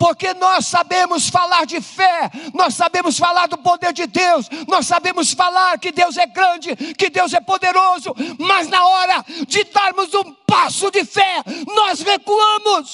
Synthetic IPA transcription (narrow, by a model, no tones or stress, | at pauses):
poɾkenɔssabẽmʊsfalaɾd͡ʒɪfɛnɔsːabẽmʊsfalaɾd̪ʊpod̪eɾd͡ʒɪd̪ewsnɔssabẽmʊsfalaɾkɪd̪ewzɛɡɾɐ̃d͡ʒɪkɪd̪ewzɛpod̪eɾozʊmɐznɐɔɾɐd͡ʒɪd̪aɾmʊzũpasʊd͡ʒɪfɛnɔzhekɐ̃mʊs